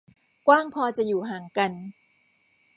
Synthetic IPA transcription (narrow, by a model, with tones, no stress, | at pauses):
kwaː˥˩ŋpʰɔː˧t͡ɕa˨˩juː˨˩ɦaː˨˩˦ŋka˧n